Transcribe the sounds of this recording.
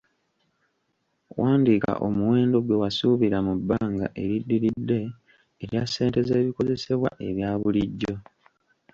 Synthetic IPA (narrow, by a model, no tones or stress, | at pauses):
waːndika̰ʔo̞̰muwe̞ːndo̞ɡwe̞wasuβiɾamubːaːŋɡa̰ʔe̞ɾidːiɾidːe̞ː | ɾjasːe̞ːnte̞zeːβiko̞ze̞se̞βwa̰ʔe̞βjaːβuliɟːo̞